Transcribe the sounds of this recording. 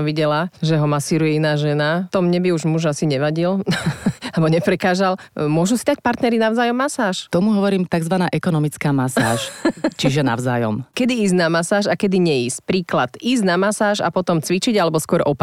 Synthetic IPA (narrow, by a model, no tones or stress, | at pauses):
ʋiɟɛlaʒɛɦɔmasiːɾujɛinaːʒɛnat̪ɔmɲɛbiuʒmuʒasiɲɛʋaɟil | albɔɲɛpɾɛkaːzalmʊɔʒusid̪ac̚paɾt̪nɛɾinaʊzaːjɔmːasaːʃt̪ɔmuɦɔʋɔɾiːmt̪aɡzʋanaːʔɛkɔnɔmit͡skaːmasa̰ːʃt͡ʃiʒɛna̰ʊzaːjɔ̰mkɛd̪iiːznamasaːʒakɛd̪iɲɛiːsc̚pɾiːklat̪iːznamasaːʒa̰pɔt̪ɔmt͡sʋit͡ʃiɟalɛbɔskwɔɾʔɔp